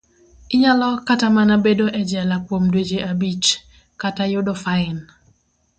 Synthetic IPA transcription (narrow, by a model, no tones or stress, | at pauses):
ɪɲalɔkatamanabedoʔɛd͡ʒɛlakwomdwed͡ʒeʔabit͡ʃ | katajʊdɔfaɪn